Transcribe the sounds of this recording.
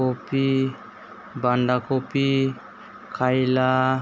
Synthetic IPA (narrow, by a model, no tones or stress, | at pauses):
opi | baɳɖakopi | kʰajla